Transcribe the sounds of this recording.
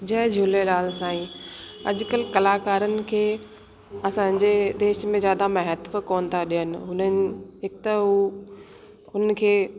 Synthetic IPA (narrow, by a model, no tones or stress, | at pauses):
d͡ʑɐɦd͡ʑʱʊleɗaːlsãːĩɐʄkəlkɐlaːkaːɾənɪ̆kʰeː | ɐsãːɲ̆d͡ʑed̪eːʃmẽzjaːd̪amɐɦət̪fkoːnt̪ʰaɗijənɪ̆ɦʊnənɪ̆ɦɪkt̪əɦu | ʊnən̆kʰeː